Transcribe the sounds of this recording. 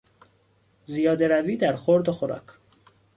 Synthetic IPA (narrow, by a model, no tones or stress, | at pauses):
zijɒːd̪e̞ɾæviːd̪æɾxoɾd̪oxoɾɒ̰ːkʰ